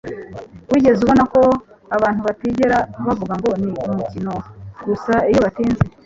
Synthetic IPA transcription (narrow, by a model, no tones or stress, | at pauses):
wiːɟe̞zuβo̞nako̞ | aβaːnhuβatiɟeɾaβavuɡaŋɡo̞niumucino̞ɡusaijoβatiːnze